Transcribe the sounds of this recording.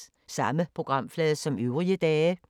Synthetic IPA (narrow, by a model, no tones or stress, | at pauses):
sɑ̈məpʰʁo̝ɡ̥ʁɑ̈m̰flɛːðˠsɒ̽møʊʁiəd̥ɛː